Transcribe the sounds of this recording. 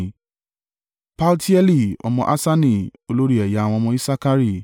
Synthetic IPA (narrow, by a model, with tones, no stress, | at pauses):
pa˦lti˦ɛ˦li˦˨ɔ̰˧mɔ̃˧ʔa˦sa˦nĩ˨o˧lo˦ɾi˦ɛ˨ja˨w̃ɔ̃˧mɔ̃˧i˦sa˦ka˦ɾi˦˨